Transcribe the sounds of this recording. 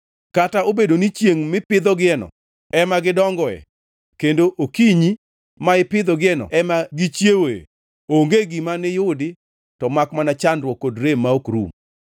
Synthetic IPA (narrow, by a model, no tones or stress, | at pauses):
kataobedonit͡ʃjeŋmɪpɪd̪ɔɡɪɛnɔ̰ | ɛmaɡɪdɔŋɡɔɛ̰ | kendoʔokiɲi | maɪpɪd̪ɔɡɪɛnɔ̰ɛmaɡit͡ʃjewe | oŋɡeɡɪmanɪjʊdɪ | tɔmakmanat͡ʃandwɔkːodɾemːaokɾṵm